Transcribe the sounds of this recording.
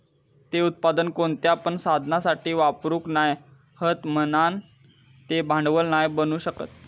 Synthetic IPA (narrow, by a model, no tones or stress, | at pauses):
t̪eut̪̚pad̪ənkoɳt̪japəɳsad̪ʱnasaʈiːʋapɾuːknaj | hət̪mənan | t̪ebʱãɳɖʋəlnajbənuːɕəkə̰t̪̚